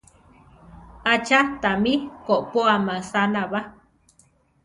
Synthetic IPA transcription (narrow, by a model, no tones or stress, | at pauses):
at͡ʃat̪amikoʔpoamasanaβa